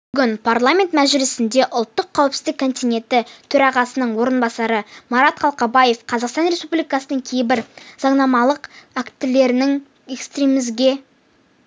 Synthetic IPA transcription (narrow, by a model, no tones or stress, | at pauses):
b̥ʏɡʲɪnpʰarlˠamʲe̞nt̪mæzʒɪlɪsɪnd̪e̞ʔʊlˠt̪ːəqʰːæwpsɪzd̪ɪkʰːo̞nt̪ijnʲe̞nt̪ɪt̪ʰɵɾɑʁɑsənəɴwo̞ɾənbɑsɑɾəmɑɾɑt̪qʰɑlˠqɑbɑje̞fqʰɑzɑqst̪ɑnɾʲe̞spublijkɑsənəɴkʲʰe̞jɪbɪɾzɑɴnɑmɑlˠəqækt̪ɪle̞ɾɪnɪŋ | e̞kst̪rʲemɪzɡʲe̞